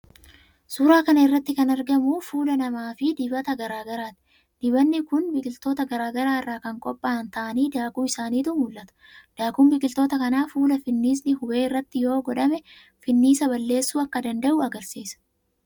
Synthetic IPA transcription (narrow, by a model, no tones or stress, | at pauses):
suːɾaːkɐnɐɪrːɐt̪ːɪkɐnɐɾɡɐmuːfuːlɐnɐmaːfɪd̪ɪbɐt̪ɐɡɐɾaːɡɐɾaːt̪ɪ̥ | d̪̥ɪbɐnːɪkʊnbɪkʼɪlt̪o̞ːt̪ɐɡɐɾaːɡɐɾaːɪrːaːkɐŋkʼɔpʼːaːnt̪ɐʔɐniːd̪aːkʼumɪsaːniːt̪ʊnhʊlʔɐt̪ɐ̥ | d̪̥aːkʼuːmbɪkʼɪlt̪o̞ːt̪ɐkɐnaːfuːlɐfɪnːiːs̬nɪhʊbe̞ːɪrːɐt̪ːɪjo̞ːɡɔᶑɐmɛ | fɪnːiːsɐbɐlːe̞ːsːuːɐkːɐd̪ɐnd̪ɐʔʊɐɡɐɾsiːsɐ̥